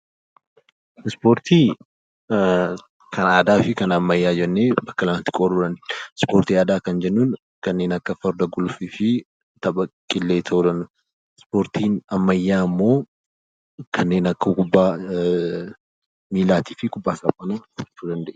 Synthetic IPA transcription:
ɪspo̞ːɾt̪ʰiː | kʰɐnaːd̪aːfɪkɐnɐmːɐjːaːd͡ʒɛnːe̞ːbɐkːɐlɐmɐt̪ːɪ̥kʼod̪uːd̪ɐnd̪spoːɾt̪iːaːd̪aːkɐnd͡ʒɛnːuːn | kɐnːe̞ːnɐkːɐfɐɾd̪ɐɡʊlfifɪ | t̪ɐbɐkʼːɪlːe̞ːt̪ʰɐʔuːd̪ɐnːʊ | spo̞ːɾt̪iːnɐmːɐjːaːɪmːo̞ː | kʰɐnːe̞ːnɐkːɐkʊbːaː | miːlaːt̪iːfɪkʊbːaːsɐpʼːɐnɐt͡ʃːuːd̪ɐnd̪ɐʔe

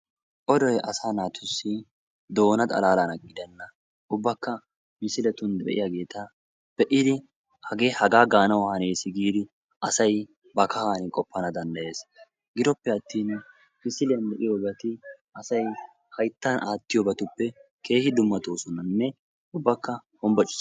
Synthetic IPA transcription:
ʔɔd̪ɔjʔɐsaːnaːt̪ʰʊsːɪ | d̪o̞ːnɐt̪ʼɐ̰laːlanɐɡʼɪd̪ɛnːɐ | ʔʊbːɐkːɐ | mɪsɪlɛt̪ʊnd̪bɛ̰ʔɪ̰jaɡe̞ːt̪ɐ | b̥ɛʔɪd̪ɪ | hɐɡe̞ːhɐɡaːɡaːnɐwhɐneːsɪɡiːd̪ɪ | ʔɐsɐj | bɐkɐhaːnɪkʼɔpːɐnɐd̪ɐnd̪ɐje̞ːs | ɡɪd̪ɔpːɛɐt̪ːiːn | mɪsɪlɪjɐnd̪ɛʔɪjobɐt̪ɪʔɐsɐj | hɐjt̪ːɐnʔaːt̪ːɪjɔbɐt̪ʊpːɛ | kʰe̞ːhɪd̪ʊmːɐt̪o̞ːsɔnːɐnːɛ | ʊbːɐkːɐhɔmbɐt͡ʃʼʊ̥s

